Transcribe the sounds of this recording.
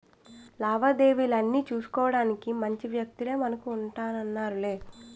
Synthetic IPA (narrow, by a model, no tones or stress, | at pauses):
laːʋad̪e̞ːʋiːlɐnːiːt͡ʃuːsu̥kɔːʋɐɽaːnikimɐɲt͡ʃiʋjɐk̚t̪ile̞ːmɐnɐkuːɳʈaːnɐnːaːɾule̞ː